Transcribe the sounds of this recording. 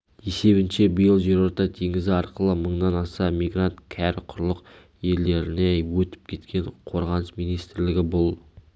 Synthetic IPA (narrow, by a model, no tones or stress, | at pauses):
e̞se̞βɪnʃe̞bijəlˠʒe̞ɾo̞ɾt̪ɑt̪ʰeŋʲɪzɪɑɾqəlˠəməɴd̪ɑnɑsɑmiɡrant̪kʲʰæɾɪqʰʊɾlˠəq | je̞ld̪e̞ɾɪne̞wɵt̪ɪ̥p̚kʲʰe̞t̪kʲe̞ɴqʰo̞ɾʁɑnəsmijnijst̪ɪɾlɪɡʲɪbʊlˠ